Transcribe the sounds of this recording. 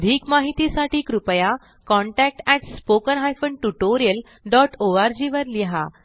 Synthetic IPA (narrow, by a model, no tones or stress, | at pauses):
d̪ʱiːkmaɦit̪isaʈiːkɾupəja | kɔɳʈæk̚ʈæʈspokənɦajfəɳɖʈuʈoɾijəl | ɖɔʈoʋaɾd͡ʑiʋəɾliɦa̰